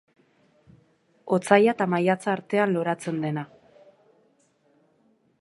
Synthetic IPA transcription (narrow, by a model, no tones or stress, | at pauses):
o̞t͡sajat̪amajat͡saːɾt̪e̞anlo̞ɾat͡se̞nd̪e̞na